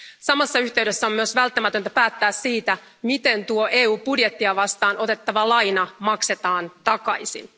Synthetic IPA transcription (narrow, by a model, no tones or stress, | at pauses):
sɑmɑsːɑyçt̪eɥɾe̞sːæo̞myøsʋælt̪ːæmæt̪ø̞nt̪æpæːt̪ːæːsːiːt̪æ | mit̪e̞nt̪uoʔeːuːpudjet̪ːiɑʋɑst̪ɑːnʔo̞t̪e̞t̪ːɑʋɑlɑjnɑmɑkse̞t̪ɑːnt̪ɑkɑjsḭn